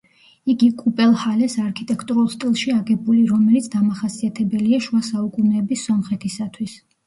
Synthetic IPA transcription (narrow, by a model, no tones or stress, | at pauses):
iɡikʼupʼɛlˠhalɛsaɾkʰit̪ʼɛkʰt̪ʼuɾulˠst̪ʼilˠʃiaɡɛbuliɾɔmɛlit̪sʰd̪amaχasiat̪ʰɛbɛliaʃuasaukʼunɛːbisːɔmχɛt̪ʰisat̪ʰwis